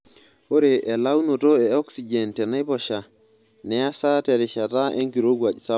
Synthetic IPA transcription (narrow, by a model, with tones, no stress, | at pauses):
o˦ɾe˨ʔe˨la˦wno˨to˦e˨o˦ksi˨d͡ʒe˨nte˨na˦jpo˨ʃa˨ | ne˨ja˦sa˦te˨ɾi˨ʃa˨ta˦ʔe˦ŋki˨ɾo˦ɡwa˨t͡ʃsa˦